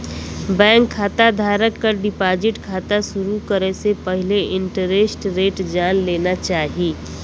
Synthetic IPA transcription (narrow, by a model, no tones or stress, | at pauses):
bɛ̃ːŋkʰːaːt̪ad̪ʱaːɾəkːəɾɖɪpaːd͡ʒɪʈkʰaːt̪asʊɾukəɾesepəɦɪleɪ̃ɳʈəɾesʈɾeːʈd͡ʒaːnleːnat͡ʃaːɦiː